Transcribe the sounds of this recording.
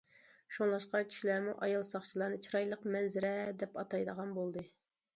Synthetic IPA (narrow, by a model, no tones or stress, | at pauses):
ʃuŋlˠɑʃqɑkʲʰi̥ʃilæɾmuʔɑjɑlˠsɑχt͡ʃʰilˠɑɾnɨt͡ʃʰiɾɑjlˠəqmɛnzɪɾɛd̪ɛpɑt̪ɑjd̪əʁɑnbolˠd̪ɨ